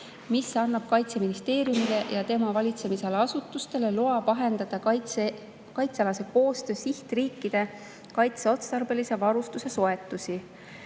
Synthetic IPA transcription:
misːɑnːɑb̥̚kɑjt̪se̞minist̪e̞ːɾjumilejɑt̪e̞mɑvɑlʲit̪se̞mise̞leɑsut̪ːˑust̪e̞le̞loɑpɑɦe̞nd̪ɑd̪̥ɑe | kɑjt̪seɑlɑse̞ko̞ːst̪ø̞ːsiht̪riːkːid̪̥e̞ | kɑjt̪seo̞t̪set̪ɑrbe̞lise̞vɑɾust̪use̞so̞e̞t̪ːˑusi

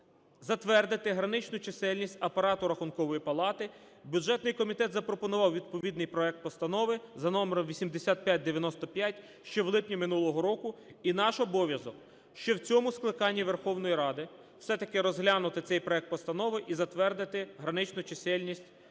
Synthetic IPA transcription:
zɐt̪ʋɛrd̪ɪt̪ɪɦɾɐnɪt͡ʃnʊt͡ʃesɛlʲnʲisʲtʲɐpɐɾɑt̪ʊɾɐxʊnkɔʋɔjipɐlˠɑt̪ɪ | bʲjudʒɛt̪nɪjkɔmʲit̪ɛt̪zɐpɾɔpɔnʊʋɑwʋʲid̪̚pɔʋʲid̪nɪjpɾɔɛk̚t̪̚pɔst̪ɐnɔʋɪzɐnɔmeɾɔmʋʲisʲimd̪esʲat̪̚pʲjat̚ʲd̪eʋʲjɐnɔst̪ɔpʲjatʲ | ʃt͡ʃɔwlˠɪpnʲimɪnulˠɔɦɔɾɔkʊinɑʃɔbɔʋʲjɐzɔk | ʃt͡ʃɔwt͡sʲɔmʊsklˠɪkɑnʲːiʋerxɔwnɔjiɾɑd̪ɪ | w̥sɛt̪ɐkɪɾɔzɦlʲanʊt̪ɪt̪ɛjpɾɔɛk̚t̪̚pɔst̪ɐnɔʋɪʔizɐt̪ʋɛrd̪ɪt̪ɪɦɾɐnɪt͡ʃnʊt͡ʃesɛlʲnʲisʲtʲ

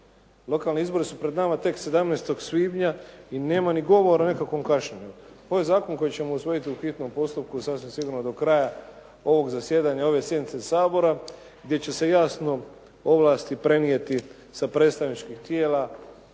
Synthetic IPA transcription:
lo̞kaːlneizbo̞ɾisupɾe̞d̪namat̪e̞kse̞d̪amnest̪o̞ɡsʋiːbɲaine̞ːmaniɡo̞ʋo̞ɾane̞kakʋo̞mkaʃɲeɲu | ojezaːko̞nko̞jit͡ɕe̞mousʋo̞jit̪iuxit̪no̞mpo̞st̪up̚kusasʋimsiɡuɾnod̪okɾaːja | o̞ʋo̞ɡzasje̞ːd̪aɲao̞ʋe̞sje̞d̪nit̪sesaːbo̞ɾa | ɡd̪je̞t͡ɕe̞se̞jaːsno̞ | o̞ʋlˠaːst̪ipɾe̞nijet̪i | sapɾe̞ːt̪st̪aʋnit͡ʃkixt̪jeːla

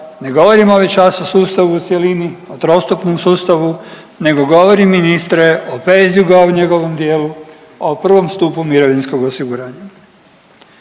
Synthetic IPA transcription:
ne̞ɡo̞ʋo̞ɾimo̞ʋit͡ʃasosuːst̪aʋuːt̪sjeliniot̪ɾo̞st̪upnomsuːst̪aʋu | ne̞ɡo̞ɡo̞ʋo̞ɾimːinist̪ɾeopezijuɡauɲe̞ɡo̞ʋomd̪jeːlu | aopr̩ʋo̞mst̪uːpumiɾoʋinsko̞ɡosiɡuɾaːɲa

